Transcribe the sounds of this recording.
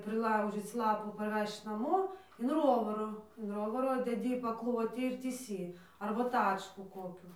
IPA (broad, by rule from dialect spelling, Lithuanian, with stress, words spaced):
pʲrʲɪˈlˠɐʊʒʲiːt͡s ˈlˠɑːpuː pɐrʲˈʋʲɛʃt͡ʃ ˈnɑːmoː ɪn ˈroːʋɐroː ɪn ˈroːʋɐroː dʲɛˈdʲiː pɐˈklˠoːtʲiː ɪr tʲiːˈsʲiː ɐrbɐ ˈtɑːt͡ʃkuː ˈkoːkʲuː